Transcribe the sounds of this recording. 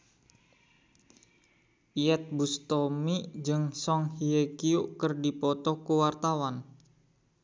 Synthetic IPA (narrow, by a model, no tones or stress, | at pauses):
ʔiɛt̪̚bust̪omid͡ʒɨŋsɔŋhiekiuʔkərdipɔt̪ɔkuwart̪awan